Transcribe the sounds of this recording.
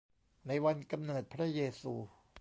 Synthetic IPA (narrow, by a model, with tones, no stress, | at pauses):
na˧jwa˧nka˧mnɤː˨˩t̪̚pʰɾa˦˥jeː˧suː˧